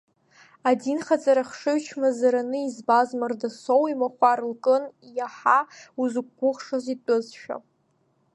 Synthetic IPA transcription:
adinχat͡sʼaɾaχʂɨɥt͡ʃʰmazaɾanɨizbazmardasowimaχʷarlkʼɨnjaħauzɨk̚ʷɡʷʊχʂazitʼʊzʃᶣa̰

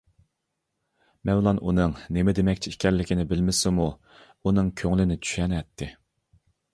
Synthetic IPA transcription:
mɛnlˠɑnunɨŋnemɪd̪emɛkʲt͡ʃʰiikʲʰɛɾlːɪkʲɪnɪbɪlmɪsɪmu | unɨŋkʲʰøŋlɪnɪt͡ʃʰy̥ʃɛnɛt̪ʰːɪ

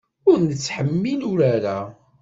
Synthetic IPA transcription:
ʊɾnət͡sːħəmːilʊɾaɾa

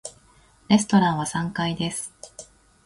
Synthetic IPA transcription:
ɾe̞sɨ̥t̪o̞ɾãɰ̃βasãŋkaid̪e̞sɨ̥

